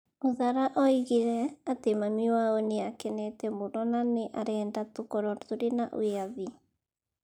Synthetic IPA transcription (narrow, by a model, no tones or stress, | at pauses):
oðaɾaʔɔiɣiɾɛatemamiwaɔneakɛnɛtɛmoɾɔnaneʔaɾɛːndatokɔɾɔɾðoɾenaʔw̰aði